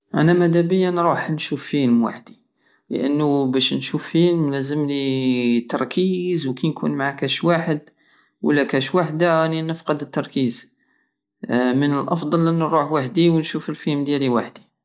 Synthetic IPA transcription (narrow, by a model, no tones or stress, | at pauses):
ʔæ̰næmæd̪æbəjːanɾˤuħnʃufːilmwa̰ħd̪i | lə̰ʔə̰nːubæʃnʃufːiləmlæzəmlit̪ɑɾˤkʰizwkinkṵnmaʕakæʃwaħəd̪ | wə̰lːækæʃwaħd̪aæninəfqəd̪ət̪ːɑɾˤkiz | mənəlʔɑfd̪ˤɑlʔənːɾuħwaħd̪iwnʃufəlfilmd̪jæɾiwaħd̪i